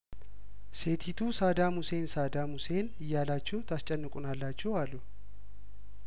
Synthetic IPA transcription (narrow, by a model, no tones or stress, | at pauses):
se̞t̪ʰit̪ʰusad̪amuse̞nsad̪amuse̞nɨjːalat͡ʃːɛwt̪ʰast͡ʃʼɛnːɨkʼunalːat͡ʃːɛwalːu